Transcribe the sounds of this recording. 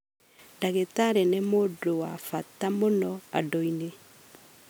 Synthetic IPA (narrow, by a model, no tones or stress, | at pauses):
ndaɣetaɾɛnemodowafatamonɔa̰dɔine